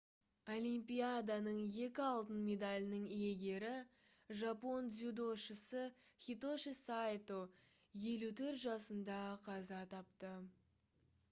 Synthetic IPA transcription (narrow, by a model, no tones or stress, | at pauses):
o̞lʲimpijad̪ɑnəɴje̞kʲɪɑlˠt̪ənmʲe̞d̪alʲɪnəɴije̞ɡʲe̞ɾɪ | ʒapo̞nzʲud̪o̞ʃəsəχʲit̪o̞ʃisajt̪o | je̞lut̪ʰɵɾt̪ʒɑsənd̪ɑqʰɑzɑt̪ʰɑp̚t̪ə